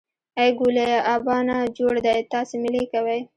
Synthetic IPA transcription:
ajɡuleʔabɑnad͡ʒoɽd̪ajt̪ɑsemɪlekawaj

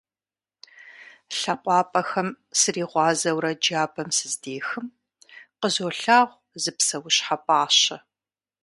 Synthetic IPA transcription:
ɬɐqʷʼɑːpʼɐxɐm | sɨriːʁʷɑːzɐwɾɐd͡ʒaːbɐmsɨzdeːxɨm | qəzoːɬaːʁʷ | zɨpsɐwʊɕħapʼaːɕɐ

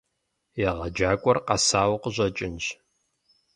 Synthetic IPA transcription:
jɛʁɐd͡ʒaːkʷʼɔrqɐsaːwqəʑɐt͡ʃʼɪnʒ

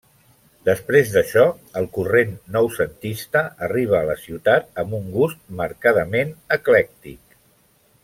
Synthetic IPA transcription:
d̪əspɾezðəʃɔ | əlˠkurenːɔwsənt̪ist̪əəriβ̞əːləsiwt̪at̪əmbuŋɡust̪̚məɾkaðəmenəklɛk̚t̪ik̚

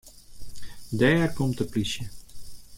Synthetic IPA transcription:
dɛːrkomtəplisjə

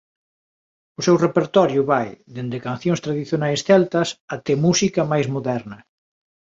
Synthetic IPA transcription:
ʊsɛwrepeɾt̪ɔɾjʊβajd̪end̪ekãnθjõŋst̪ɾaðiθjonajsθɛlt̪ɐsat̪ɛmusikɐmajzmoðɛɾnɐ

